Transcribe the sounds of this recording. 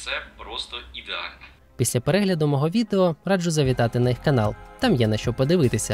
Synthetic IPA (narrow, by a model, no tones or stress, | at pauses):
t̪sɛpɾɔst̪ɔid̪eɑ̰lʲnɔ | pʲisʲlʲɐpeɾɛɦlʲɐd̪ʊmɔɦɔʋʲid̪eɔɾɑd͡ʒʊzɐʋʲit̪ɑt̪ɪnɐjixkɐnɑlˠt̪ɑmjɛnɐʃt͡ʃɔpɔd̪ɪʋɪt̪ɪsʲɐ